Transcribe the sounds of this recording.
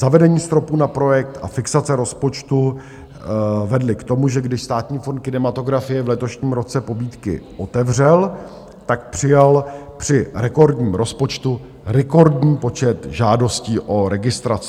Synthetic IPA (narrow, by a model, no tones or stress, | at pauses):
z̥avɛdɛɲiːst̪ɾo̞puːnapɾo̞jɛk̚t̪ʔa̰fɪksat͡sɛɾo̞spo̞t͡ʃt̪u | vɛdlɪkt̪o̞muʒɛɡdɪʃst̪aːt̪ɲiːfont̪̚kɪnɛmat̪o̞ɡɾafɪjɛvlɛt̪o̞ʃɲiːmɾo̞t͡sɛpo̞biːt̪kɪ̰ʔo̞t̪ɛvrɛl | t̪ak̚pr̥ɪjalpr̝̥ɪɾɛko̞ɾdɲiːmɾo̞spo̞t͡ʃt̪u | ɾɛko̞ɾdɲiːpo̞t͡ʃɛt̪ʒaːdo̞sciːʔo̞ɾɛɡɪst̪ɾat͡sɪ